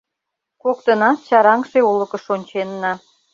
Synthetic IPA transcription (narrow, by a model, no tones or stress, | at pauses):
kok̚t̪ənɑt̪ɕɑɾɑŋʃeulə̆kə̆ʃonʲt͡ɕenːɑ